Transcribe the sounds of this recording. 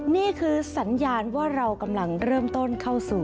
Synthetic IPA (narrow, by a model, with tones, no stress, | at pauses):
niː˥˩kʰɯː˧sa˩˦njaː˧nwaː˥˩ɾa˧wka˧mla˧ŋɾɤː˥˩mt̪o˥˩nkʰa˥˩wsuː˨˩